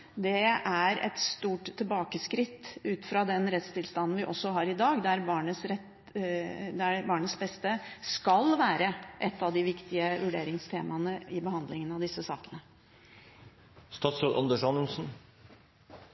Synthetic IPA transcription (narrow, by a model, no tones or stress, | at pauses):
d̪ɛæɾɛ̰t̪st̪uːʈt̪ʰːɪlbɑːkəskɾɪt̪ːʉːt̪fɾɑd̪ɛnɾɛt̪st̪ʰɪlst̪ɑnn̩ʋɪʔɔsːɔɦɑɾɪd̪ɑːɡd̪æɾbɑːɳəsɾɛt̪ | d̪æbɑːɳəsbɛst̪əskɑlʋæːɾəʔɛt̪ːɑʋd̪ɪʋɪkt̪ɪəʋʉɖeːɾɪŋst̪ʰeːmɑnəɪbəɦɑnd̪lɪŋənɑʋd̪ɪsːəsɑ̰ːkənə | st̪ɑːt̪sot̪ʔɑ̰nd̪əʂɑnlsn̩